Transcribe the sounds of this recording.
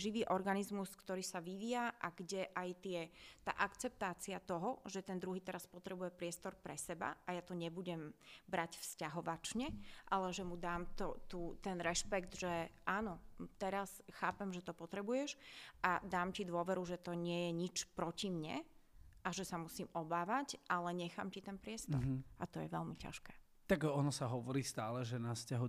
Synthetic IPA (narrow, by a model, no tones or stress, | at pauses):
ʒiʋiːʔɔɾɡanizmuskt̪ɔɾiːsaʋiʋiːjaʔaɡɟɛʔajt̪ɪɛt̪a̰ːʔakt͡sɛp̚t̪aːt͡siat̪ɔɦɔʒɛt̪ɛnd̪ɾuɦiːt̪ɛɾaspɔt̪ɾɛbujɛpɾɪɛst̪ɔɾpɾɛsɛba̰ajat̪ɔɲɛbuɟɛmbɾacfscaɦɔʋat͡ʃɲɛʔalɛʒɛmud̪aːmt̪ɔt̪uːt̪ɛnɾɛʃpɛɡd̪ʒɛʔaːnɔt̪ɛɾasxaːpɛmʒɛt̪ɔpɔt̪ɾɛbujɛʃʔad̪aːmcid̪ʊɔʋɛɾuʒɛt̪ɔɲɪɛjɛɲit͡ʃpɾɔcimɲɛ̰ʔaʒɛsamusiːmɔbaːʋacʔalɛɲɛxa̰ːmcit̪ɛnpɾɪɛst̪ɔɾʔat̪ɔjɛʋɛlmica̰ʃkɛː | t̪aɡɔnɔsaɦɔʋɔɾiːst̪aːlɛʒɛnascaɦu